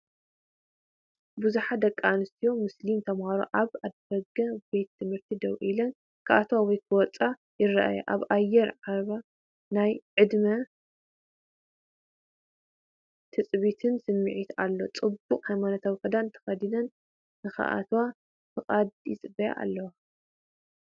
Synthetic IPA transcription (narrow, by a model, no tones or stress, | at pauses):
buzuħad̪ɐkʼːanɨst̪ʰijo̞mɨslimt̪ʰɐmhaɾo̰ʔaβad̪fɐɡɐbe̞t̪ʰːɨmhɨɾt̪ʰid̪ɐwʔʔilɐn | kʰaʔat̪wawɔjkʰɨwɔt͡sʼa | jɪrːɐʔa̰ja̰ʔaβajɛɾʕaβa | najʕɨd̪mɐ | t̪ʰɨt͡sʼβit̪ʰɨnsɨmːɨʕit̪alːo̞t͡sʼɨbukʼhajmanat̪ʰaβwkʰɐd̪ant̪ʰɐ̥xɐd̪inɐn | nɨxa̰ʔa̰t̪wa | fɨχʼad̪jɪt͡sʼɨbɐja̰ʔa̰lːɐwa